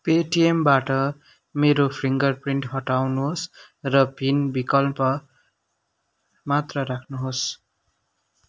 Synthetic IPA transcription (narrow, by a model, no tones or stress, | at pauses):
peʈiembaʈʌ | meɾopʰriŋɡʌrpriɳʈɦʌʈawnuɦos | rʌpinbikʌlpʌ | mat̪rʌɾakʰnuɦos